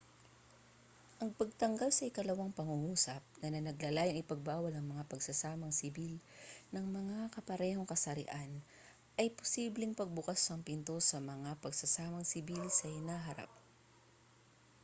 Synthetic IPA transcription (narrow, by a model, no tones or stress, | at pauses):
ʔɐŋpɐɡ̚t̪ɐŋɡalsɐʔɪkɐlɐwaŋpɐŋuŋuːsɐp̚nɐnɐnɐɡlalaːjɐŋɪpɐɡ̚baːwɐlɐŋmɐŋapɐɡsɐsaːmɐŋsɪbilnɐŋmɐŋakɐpɐɾɛːho̞ŋkɐsɐɾɪ̰ʔan | ʔɐjpo̥siːblɪŋpɐɡ̚bʊkasɐŋpɪnt̪o̞sɐmɐŋapɐɡsɐsaːmɐŋsɪbilsɐhɪnaːɦɐɾa̰p̚